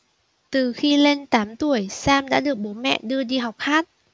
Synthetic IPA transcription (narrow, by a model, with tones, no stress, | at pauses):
t̪ɨ˨˩xi˧le˧nt̪aː˨˦mt̪u˧˩əjsaː˧mɗa̰ː˧˥ɗɨ˨˩ək̚ɓo˨˦mɛ̰˧˨ɗɨ˧əɗi˧ɦa˨˩wk͡p̚haː˦˥t̚